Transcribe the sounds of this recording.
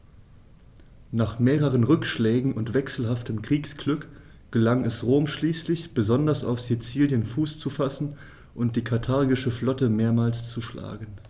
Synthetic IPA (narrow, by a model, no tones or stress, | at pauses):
naːχmeːʁəʁ̞ənʁʏkʃlɛːɡŋ̩ʊntv̥ɛksl̩ɦaftəmkʁ̥iːksɡ̥lʏk | ɡ̥əlaŋɛsʁoːmʃliːslɪçb̥əzɔndɐsa̰ʊfsit͡siːljənfuːst͡sufasn̩ | ʔʊnt̚d̥iːkʰaɐtʰaɐɡɪʃəflɔtəmeːɐmaːlst͡suʃla̰ːɡən̩